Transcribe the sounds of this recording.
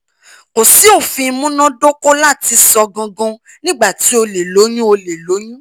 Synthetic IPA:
ko˨si˨˦o˦˨fĩ˧mũ˦nã˦do˦ko˦la˦˨ti˧sɔ˧ɡã˧ɡɔ̃˧ | nĩ˦ɡ͡ba˦˨ti˨˦o˧le˨lo˨˦j̃ũ˦o˧le˨lo˨˦j̃ũ˦

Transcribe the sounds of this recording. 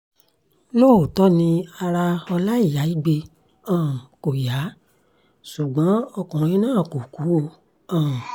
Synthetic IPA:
loː˦˨o˨tɔ˦nĩ˧a˧ɾa˧ɔ˧la˦i˦˨ja˨˦i˦˨ɡ͡be˧ | ãː˦˨ko˨ja˨˦ | su˨ɡ͡bɔ̃˨˦ɔ˧kɔ̃˨ɾ̃ĩ˧˦nãː˦˨ko˨ku˨˦o˧ | ã˨

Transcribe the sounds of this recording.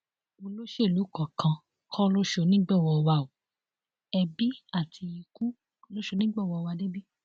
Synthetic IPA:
o˧lo˦ʃe˦˨lu˨˦kɔ˨kʰã˧ | kʰɔ̃˦lo˦ʃo˧˨nĩ˦ɡ͡bɛ˦˨wɔ˧wa˧˨o˨ | ɛ˧bi˦a˦˨ti˧ji˧ku˦ | lo˦ʃo˧˨nĩ˦ɡ͡bɛ˦˨wɔ˧wa˧de˦bi˦

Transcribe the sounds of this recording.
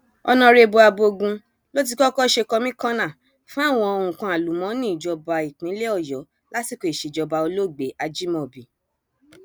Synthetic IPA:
ɔ˧nɔ̃˧ɾe˧bo˧a˧bo˧ɡũ˧ | lo˦t̬i˧kɔ˦kɔ˦ʃe˧kɔ˧mĩ˦kã˦nã˦˨ | fũ˦a˦˨w̃ɔ̃˧o˧˨ũ˨kã˧a˨lu˨˦mɔ̃˨˦nĩ˦˨d͡ʒɔ˧ba˧i˨k͡pĩ˨˦le˦ɔ˦˨jɔ˨˦ | la˦ti˦˨ko˧i˨ʃe˨d͡ʒɔ˧ba˧o˧lo˦˨ɡ͡be˨˦a˧d͡ʒi˦mɔ̃˦˨bi˨

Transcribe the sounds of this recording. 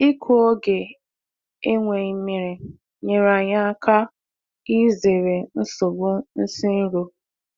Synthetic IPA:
i˦kʰo˦o˦ɡe˨ | e˦ŋʷe˨i˦mi˦ɾi˨ | ɲe˨ɾa˨ɲa˦a˦kʰa˦ | i˦ze˨ɾe˨n̩˦so˨ɡ͡bo˦n̩˦si˦n̩˦ɾo˨

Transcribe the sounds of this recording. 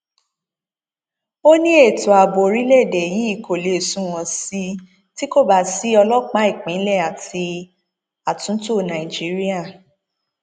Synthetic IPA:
o˦nĩ˦e˦˨to˨a˨bo˨ɾi˨˦lɛ˦˨dɛ˨ji˨˦i˦˨ko˨le˨sũ˦w̃ɔ̃˧si˦ | ti˦ko˦˨ba˦˨si˦ɔ˧lɔ˦k͡pa˦i˦˨k͡pĩ˨˦lɛ˦˨a˨ti˧ | a˨tũ˨˦to˦˨nã˨i˨d͡ʒi˨˦ɾi˦a˦˨

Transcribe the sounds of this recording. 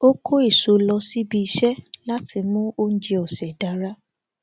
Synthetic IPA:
o˦kʰo˦i˦˨so˨lɔ˧si˦bi˧i˧ʃɛ˦la˦tʰi˧mũ˦o˦n̩˦d͡ʒi˧ɔ˨sɛ˨da˨˦ɾa˦

